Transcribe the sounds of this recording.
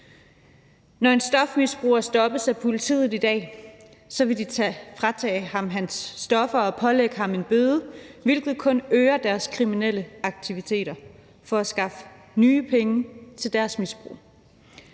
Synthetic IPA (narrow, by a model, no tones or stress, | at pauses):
nɒe̝nsd̥ɒ̽fmisb̥ʁṵːɐsd̥ɒ̽b̥əsæpʰo̝lit͡sʰḭːð̩ˠid̥ɛ̰ː | sɒ̽ʋe̝d̥it͡sʰfʁɑt͡sʰɛ̰ːhɑ̈mɦænsːd̥ɒ̽fɐɒ̽pʰɒ̽leɡ̥əhɑ̈me̝nb̥øːð̞ˠəʋe̝lɡ̥ð̩ˠkʰɔ̽nøːɐd̥æɐskʰʁiminel̰əɑ̈ɡ̥̚t͡sʰiʋit͡sʰe̝̰ːɾ̥ɐ | fɒ̽æsɡ̥ɑ̈fə | nyːpʰeŋət͡sʰe̝ld̥æɐsmisb̥ʁṵː